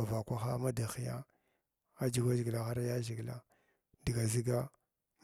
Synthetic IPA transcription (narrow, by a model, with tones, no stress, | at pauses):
a˨va˨kʷa˦xa˦ma˦da˨xi˦ja̰˦ | a˦d͡ʒi˦ɡʷa˦ʒi˨ɡla˨ɣa˦ɾa˦ja˦ʒi˨ɡla̰˦ | di˨ɡa˨zi˦ɡa˦ | m